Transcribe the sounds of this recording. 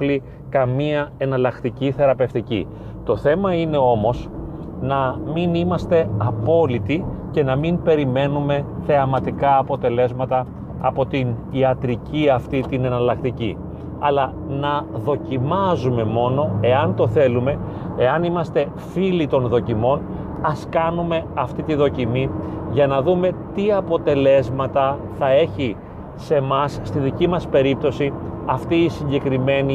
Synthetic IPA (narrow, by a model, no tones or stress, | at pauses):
li | kɐmiɐe̞nɐlɐkt̪iciθe̞ɾɐpe̞ft̪icḭ | t̪o̞θe̞mɐine̞o̞mo̞s | nɐminimɐst̪e̞ɐpo̞lit̪ice̞nɐmimpe̞ɾime̞nume̞θe̞ɐmɐt̪ikɐːpo̞t̪e̞le̞zmɐt̪ɐː | po̞t̪iniɐt̪ɾiciɐft̪it̪ine̞nɐlɐkt̪icḭ | ɐlɐ | nɐðo̞cimɐzume̞mo̞no̞e̞ɐnt̪o̞θe̞lume̞ | eɐnimɐst̪e̞ | filit̪o̞nðo̞cimo̞n | ɐskɐnume̞ɐft̪it̪iðo̞cimiʝɐnɐðume̞t̪iɐpo̞t̪e̞le̞zmɐt̪ɐ | θɐe̞çi | se̞mɐsːt̪iðicimɐspe̞ɾip̚t̪o̞siɐft̪iːsiɲɟe̞kɾime̞ni